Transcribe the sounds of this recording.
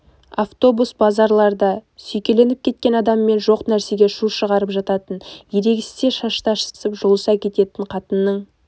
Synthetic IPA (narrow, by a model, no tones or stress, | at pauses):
aft̪o̞busbɑzɑɾlˠɑɾd̪ɑsɵjkʲe̞le̞nɪp̚kʲʰe̞t̪̚kʲe̞nɑd̪ɑmːe̞nʒo̞qnæɾse̞ɡʲe̞ʃuʃəʁɑɾəpʒɑt̪ɑt̪ənjeɾe̞ɡʲɪsse̞ʃɑʃt̪ɑʃə̥səpʒolˠəsɑkʲʰe̞t̪e̞t̪ɪɴqʰɑt̪ənːəɴ